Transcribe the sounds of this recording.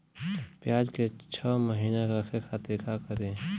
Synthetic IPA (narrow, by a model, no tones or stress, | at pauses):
pjaːd͡ʒket͡ʃʰəːməɦiːnekakʰekʰat̪ekʰakəɾẽː